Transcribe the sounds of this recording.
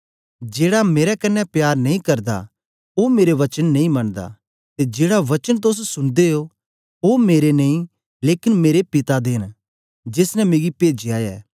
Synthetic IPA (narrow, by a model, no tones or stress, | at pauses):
d͡ʒeːɽameːɾɛkɐnːɛpjaːɾnɐĩkɐɾd̪a̰ | omeːɾeʋɐt͡ʃənːɐĩmɐɳd̪a̰ | t̪ed͡ʒeːɽaʋɐt͡ʃənt̪̬ʊs̬sʊɽd̪eo | omeːɾenɐĩ | leːkɪnmeːɾepɪt̪ad̪eːn | d͡ʒɪsnɛmeːɡipeːd͡ʒiaːjɛ̰ː